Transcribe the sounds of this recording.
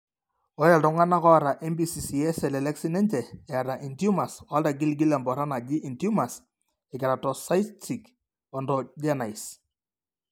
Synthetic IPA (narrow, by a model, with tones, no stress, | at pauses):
ɔ˦jɛ˨ltʊ˨ŋa˦na˦kɔ˦a˨ɾa˨ʔɛ˦mbi˨si˨si˨ɛ˦sɛ˨lɛ˨lɛ˦ksi˦nɛ˦ɲt͡ʃɛ˨ɛ˨a˨ɾa˨ʔi˨ntju˦ma˨sɔ˦a˦lta˨ɡ̬i˦lɡi˦lɛ˨mbɔ˨ɾa˦na˨d͡ʒɪ˦ʔi˨ntju˦ma˨s | ɛ˨kɪ˨ɾa˨tɔ˨sa˦jtʰi˨k | ɔ˨ndɔ˨d͡ʒɛ˦na˨js